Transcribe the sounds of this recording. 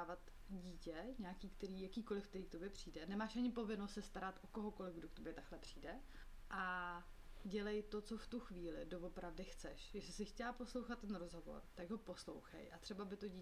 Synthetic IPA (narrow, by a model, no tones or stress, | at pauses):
vat̪ | ɟiːcɛɲaːkiːkt̪ɛɾiːjakiːko̞lɪfk̚t̪ɛɾiːkt̪o̞bjɛpr̥iːdɛnɛmaːʃʔaɲɪpo̞vɪnost̪sɛst̪aɾat̪ʔoko̞ɦoko̞lɪvɡdokt̪objɛt̪aklɛpr̝̥iːdɛ | ʔa | ɟɛlɛjt̪o̞t͡so̞ft̪uxviːlɪdovo̞pɾavdɪxt͡sɛ̰ʃjɪʃɪsɪxcɛlapo̞slowxat̪̚tːɛnɾozɦo̞vo̰ɾt̪aɡɦo̞po̞slo̞̰wxɛ̰jʔat̪r̥ɛbabɪt̪oɟi